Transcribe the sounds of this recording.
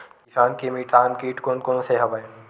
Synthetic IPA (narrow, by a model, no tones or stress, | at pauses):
kisaːnkemiʈaːnkiːʈkonkonoseɦɐbə